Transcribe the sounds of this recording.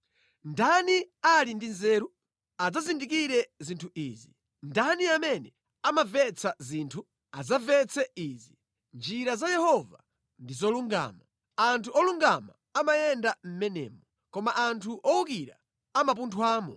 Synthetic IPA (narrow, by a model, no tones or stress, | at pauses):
ndanialindinzɛːɾu | ad͡zazindik̬iɾɛzintʰuiːzi | ndaniamɛnɛ | amavɛt͡sʰaziːntʰu | azavɛt͡sɛiːzi | nd͡ʒiɾazajɛhɔva | ndizɔluŋɡa̰ːma | antʰuɔluŋɡama | amajɛndam̩mɛnɛ̰ːmɔ | kɔmaʔantʰuʔɔuk̬iɾa̰ | amap̬untʰwaːmɔ